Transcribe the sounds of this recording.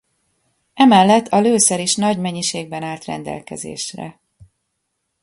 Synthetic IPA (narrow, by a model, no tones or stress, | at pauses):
ɛmɛlːɛt̪ʰːɒløːsɛɾiʃnɒɟmɛɲːiʃeːɡ̚bɛnaːlt̪rɛ̰nd̪ɛ̰lkɛ̰zḛːʃrɛ̰